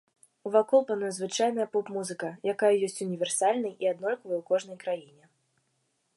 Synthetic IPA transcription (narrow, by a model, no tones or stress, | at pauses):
uvakɔlˠpanɔjzvɨt͡ʂajnɨjɐpɔpmuzɨkɐjakajɐjɔsʲt͡sʲunʲivʲɛrsalʲnɨjʔiad̪nɔlʲkɐvɨjwkɔʐnɐjkɾajinʲɛ